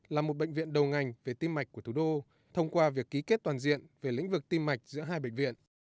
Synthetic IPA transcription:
laː˨˩mo˨˩t̚ɓə̰˧˨ŋ̟vḭ˧˨ənɗə˨˩wŋa˨˩jŋ̟ve˨˩t̪i˧mːa˨˩k̚ku˧˩ət̪ʰu˧˩ɗo˧ | t̪ʰə˧wŋ͡mkwaː˧vi˨˩əkːi˨˦ke˦˥t̚t̪waː˨˩nzḭ˧˨ənve˨˩lḭ˧˥ŋ̟vɨ˨˩k̚t̪i˧mːa˨˩jk̟̚zɨ̰˧˥əɦaː˧jɓə̰ḛ˧˨ŋ̟vḭ˧˨ən

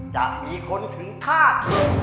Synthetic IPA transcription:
t͡ɕa̰˨˩k̚miː˧kʰo˧nt̪ʰɯ˩˦ŋkʰaː˥˩t̪̚ː

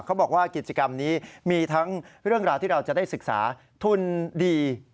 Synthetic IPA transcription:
kʰa˦˥wbɔː˨˩k̚waː˥˩ki˨˩t̪̚t͡ɕa˧ka˧mniː˦˥miː˧t̪ʰa˦˥ŋɾɯ˥˩əŋɾaː˧wt̪iː˥˩ɾa˧wt͡ɕa˨˩daː˥˩jsɯ˨˩k̚sa̰ː˩˦ | t̪ʰu˦˥˩ndiː˧

